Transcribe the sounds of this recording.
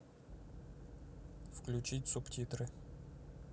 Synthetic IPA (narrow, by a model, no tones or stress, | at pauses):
fklʲʉt͡ɕitʲsʊptʲit̪rɨ